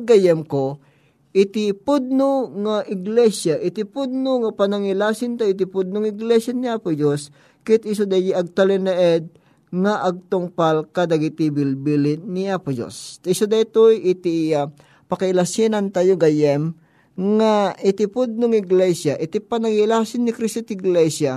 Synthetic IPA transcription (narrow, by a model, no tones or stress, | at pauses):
ɡajɛmko | ʔɪt̪ipʊd̪̚noŋaʔɪɡlɛsjaʔɪt̪ipʊd̪̚noŋapɐnɐŋɪlasɪnt̪ajot̪̬ipʊd̪̚noŋɪɡlɛsjaniaːpʊd͡ʒos | kɪt̪ɪs̬od̪ajjiɐɡ̚t̪alɛnɛʔɛd̪̚ | ŋaʔɐɡ̚t̪ʊŋpalkad̪ɐɡit̪ibilbilɪniʔapʊd͡ʒo̰st̪isod̪ajt̪ojʔɪt̪ia | pɐkɐɪlasinɐnt̪ajoɡɐjɛm | ŋaʔɪt̪ipʊd̪̚noŋɪɡlɛsjaʔɪt̪ipɐnɐŋɪlasɪnːɪkɾist̪ot̪ɪɡlɛsja